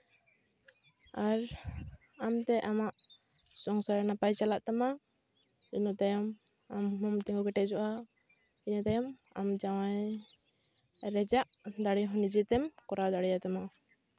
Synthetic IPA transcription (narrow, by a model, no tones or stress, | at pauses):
aɾ | amt̪ɛʔamaʔ | sɔŋsaɾɛnapajt͡ʃalaʔt̪ama | inɔt̪ajɔm | amɦɔmt̪ɛŋɡuɡɛʈɛd͡ʒɔʔa | inɔt̪ajɔm | a̰md͡ʒawaj | ɾɛd͡ʒaʔd̪aɽiɦɔ̃nid͡ʒɛt̪ɛmkɔɾawd̪aɽɛjat̪ama